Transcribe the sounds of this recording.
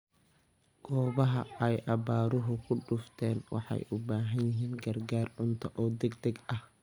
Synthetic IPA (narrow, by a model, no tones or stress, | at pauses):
ɡ̥ɔːβɐɦɐ̰ɛjʔɐbaːɾʊɦʊkʰʊɖʊft̪ʰɛːnwɑ̰ħɑ̰jʔʊbaːɦɐnjɪɦiːnɡɐrɡaːrʕʊnt̪ʰɐʔɔːd̪ɛɡd̪ɐɡɐh